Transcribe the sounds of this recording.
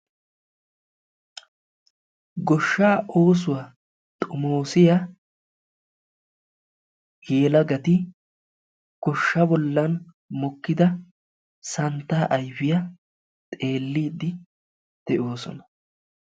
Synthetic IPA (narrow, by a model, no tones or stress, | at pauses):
ɡɔʃːaːo̞ːs̬ʊwɐ | t̪ʼʊmo̞ːsɪjɐ | jeːlɐɡɐt̪ɪ | ɡ̥ɔʃːɐbɔlːɐn | mɔkːɪd̪ɐ | sɐnt̪ːaːʔɐjfɪjɐ | t̪ʼe̞ːlːɪd̪ɪ | d̪̥ɛʔoːsɔ̰nɐ̥